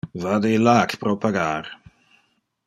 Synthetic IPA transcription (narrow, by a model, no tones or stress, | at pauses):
vadelakpɾɔpʰaɡaːɾ